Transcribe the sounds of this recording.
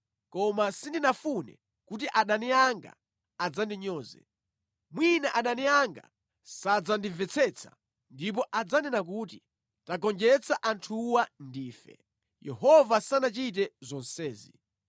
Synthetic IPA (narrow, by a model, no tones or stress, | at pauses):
kɔmasindinafunɛ̰ | kut̬iʔaɗaniaŋɡa̰ | ad͡zandiɲɔːzɛ̰ | mwinaʔaɗaniaŋɡa̰ | sad͡zandivɛt͡sʰɛt͡sʰḁ̰ | ndip̬ɔʔad͡zanɛnak̬uːti | taɡɔnd͡ʒɛt͡sʰaʔantʰuwandiːfɛ̰ | jɛ̰hɔvasanat͡ʃit̬ɛzɔnsɛːzi